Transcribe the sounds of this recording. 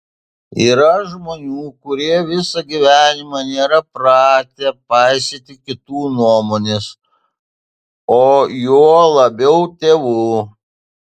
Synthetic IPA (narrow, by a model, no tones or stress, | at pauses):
iːɾɐʒmoːnʲuːkʊɾʲiɛʋʲɪsɐɡʲiʋʲæːnʲɪmɑnʲeːɾɐpɾɑːt̪ʲepɑɪsʲeːt̪ʲɪkʲɪt̪uːnuɔmoːnʲes | oːjoɔlˠɐbʲɛʊt̪ʲeːʋuː